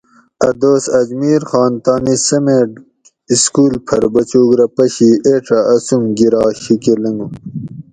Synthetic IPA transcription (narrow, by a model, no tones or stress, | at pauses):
ɐd̪oːsɐd͡ʑmiːɾxɑːnt̪ɑːnisɐmeɖ | iskuːlpʰɐɾbɐt͡ɕuːɡɾɐpɐɕieʈ͡ʂɐːsumɡiɾɑːɕikelɐŋu